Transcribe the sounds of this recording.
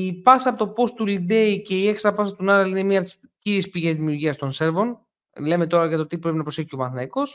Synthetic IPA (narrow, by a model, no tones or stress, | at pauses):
ipɐsɐːpot̪o̞po̞st̪ulid̪eice̞ie̞kst̪ɾɐpɐsɐt̪unɐɾɐline̞miɐp̚t̪is | ciɾiespiʝe̞zðimiuɾʝiɐst̪o̞nse̞ɾvo̞n | le̞me̞t̪o̞ɾɐʝɐt̪ot̪ipɾe̞pinɐpɾose̞çio̞mɐθnɐko̞s